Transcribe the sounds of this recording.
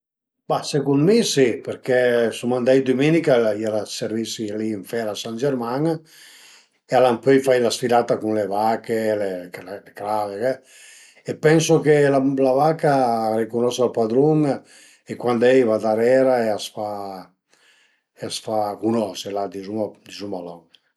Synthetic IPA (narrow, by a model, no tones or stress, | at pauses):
b̥asekunmisipeɾkɛsumand̪ajd̪umenikaialaseɾvisiliːɱfɛɾasand͡ʒeɾmaŋ | ealampøjfajlasfilat̪akunlevakelellekɾavekɛ | epɛnsokelalavakaːɾekunɔsalpad̪ɾuŋ | ekwand̪ɛjvad̪aɾɛɾaeasfa | easfakunɔselad̪izumd̪izumalɔŋ